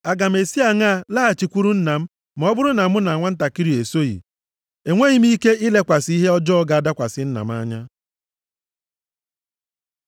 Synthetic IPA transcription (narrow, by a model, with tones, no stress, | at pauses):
a˨ɡa˨m̩˨e˨si˦a˨ŋa˦˨la˦ɦa˨t͡ʃi˨kʷu˦ɾu˦n̩˦na˨m̩˦ | m˨ɔ˦bʊ˦ɾʊ˦na˨mʊ˦na˨a˨ŋʷa˦n̩˦ta˨ki˦ɾi˨e˨so˦jḭ˨ | e˨ŋʷe˦ɣi˦m˦i˦ke˦ɪ˦le˦kʷa˨si˦ɦe˦ɔ˦d͡ʒɔ˦ɔ˦ɡa˨a˨da˦kʷa˨sɪ˦n̩˦na̰˨m˦a˦ɲa˦